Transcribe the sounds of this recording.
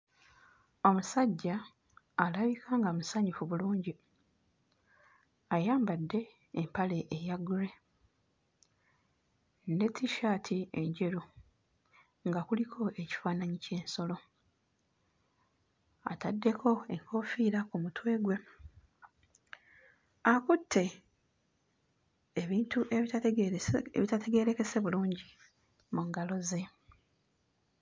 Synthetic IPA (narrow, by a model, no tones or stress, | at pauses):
o̞musaɟːaː | laβikaːŋɡamusaɲufuβuluːɲɟi | ajaːmbadːe̞ː | mpale̞ʔejaɡuɾe̞ | netʰːiʃatʰie̞ɲɟe̞ɾu | ŋɡakulikʰo̞ʔe̞ci̥faːnaɲice̞ːnso̞lo̞ | a̰tadːe̞kʰo̞e̞ŋkʰo̞fiːɾakumutwe̞ːɡwe̞ | akutʰːe̞ | eβiːntuʔe | βitate̞ɡe̞ːɾe̞ke̞se̞βuluːɲɟi | muŋɡalo̞ze̞